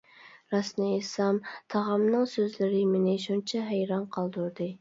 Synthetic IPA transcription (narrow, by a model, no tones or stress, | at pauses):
ɾɑsnɨːsɑmt̪ʰɑʁɑmnɨŋsøzlɪɾɪmenɪʃunt͡ʃʰɛɦæjɾɑnqʰɑlˠd̪uɾd̪ɨ